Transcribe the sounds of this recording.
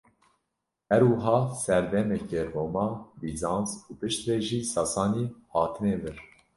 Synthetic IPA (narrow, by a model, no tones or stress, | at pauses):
hɛɾwɨɦɑːsɛɾd̪ɛmɛkeroːmɑːbizɑːnzuːpɨʃt̪ɾeːʒiːsɑsɑːniːhɑːt̪ʰɨneːvɨɾ